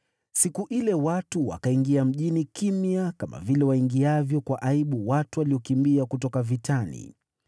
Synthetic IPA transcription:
sikuʔilɛwatuwa̰kaiŋɡiam̩ʄinikimiakama̰vilɛwaiŋɡiavjɔkwaʔaiɓuwatuwaliɔkimbiakutɔkavitʰanḭ

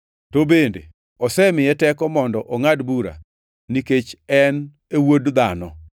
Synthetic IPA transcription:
tobendḛ | ɔsɛmɪjɛtɛkɔmɔndɔʔoŋadbuɾa̰ | niket͡ʃɛn | ewodd̪anɔ̰

